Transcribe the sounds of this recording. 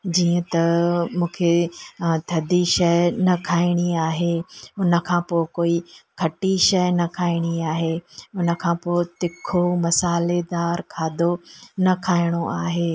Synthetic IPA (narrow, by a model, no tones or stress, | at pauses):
d͡ʑiːə̃t̪ɐmũːkʰet̪ʰɐd̪ʱiʃɐjnɐkʰaːɪɽ̃iaːɦeʊnə̆kʰãːpoːɪkoːikʰɐʈiʃɐjnɐkʰaːɪɽ̃iaːɦeʊnə̆kʰãːpoːɪt̪ɪkʰomɐsaːled̪aːɾkʰaːd̪ʱonɐkʰaːɪɽ̃oʔaːɦeː